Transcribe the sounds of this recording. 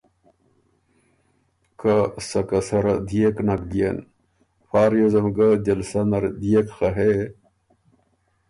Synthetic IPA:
kasɐkɐsɐɾɐd̪ijeknɐkd̪ijen | faːɾjozɐmɡad͡ʑɐlsɐnɐɾd̪ijekxɐɦe

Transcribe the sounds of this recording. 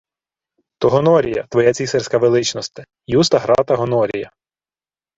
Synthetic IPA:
t̪ɔɦɔnɔɾʲijɐ̰t̪ʋɔjat͡sʲisɛrsʲkɐʋelˠɪt͡ʃnɔst̪ɪ̥ | just̪ɐɦɾɑt̪ɐɦɔnɔɾʲijɐ

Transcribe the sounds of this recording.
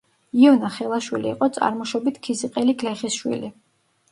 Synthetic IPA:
iɔnaχɛlˠaʃwiliːqʼɔt̪sʼa̰ɾmɔʃɔbit̪ʰkʰisiqʼɛliɡlɛχisʃwḭli

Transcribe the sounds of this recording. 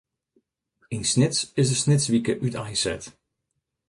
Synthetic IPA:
insnɪtsɪsdəsnɪtsʋikəʔytʰajsɛ̰t

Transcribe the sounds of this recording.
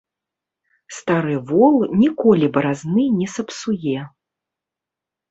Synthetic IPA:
st̪aɾɨvɔlˠnʲikɔlʲibɾaznɨnʲɛsɐpsujɛ

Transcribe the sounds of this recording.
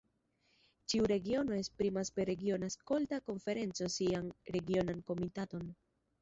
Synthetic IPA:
t͡ʃiuɾe̞ɡio̞no̞e̞spɾimaspeɾe̞ɡio̞nasko̞ltako̞ɱfe̞ɾe̞nt͡so̞sianɾe̞ɡio̞nanko̞mitato̞n

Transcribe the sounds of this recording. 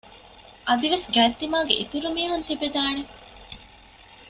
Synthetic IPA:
ʔɐd̪iʋesɡæːt̪ːimaːɡeʔit̪uɾumiːɦunt̪ibed̪aːne

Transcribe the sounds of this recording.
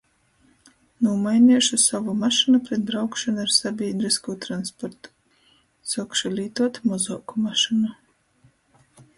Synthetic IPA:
nuɔmajnʲiɛʃusavumaʃinupɾɛt̪̚d̪ɾawkʃanuaɾsabʲiːnɾiskuːt̪ɾanspɔɾt̪u̥ | sɔkʃulʲiːt̪uɔt̪mɔzɔːkumaʃinu

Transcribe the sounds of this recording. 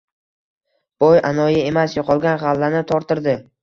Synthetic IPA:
b̥ɒjanɒjae̞masjoqʰɒlˠɡʲanʁalːanɪt̪ʰɒɾt̪ɪɾd̪ɪ

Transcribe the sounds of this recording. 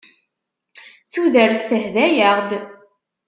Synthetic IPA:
θuðəɾθəhðæjəʁd̪

